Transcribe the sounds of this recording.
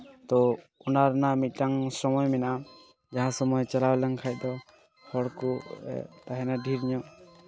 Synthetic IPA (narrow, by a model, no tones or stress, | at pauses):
t̪ɔ | unaɾnamit̪̚ˀʈaŋsɔmɔjmɛnaʔa | d͡ʒaɦãsɔmɔjt͡ʃalawlaŋkʰaj̚ˀd̪ɔ | hɔɽkɔɛ̰t̪aɦɛnaɖʱiɾɲɔʔ